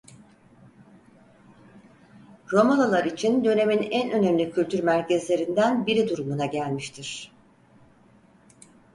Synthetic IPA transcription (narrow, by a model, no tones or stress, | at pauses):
ɾo̞malˠolˠaɾit͡ʃʰind̪ø̞ne̞minænø̞næmlʲicʰylʲt̪ʰyɾmæɾcɛzlʲe̞ɾind̪ænbiɾid̪uɾumunaɟælʲmiʃt̪ʰiɾ̝̥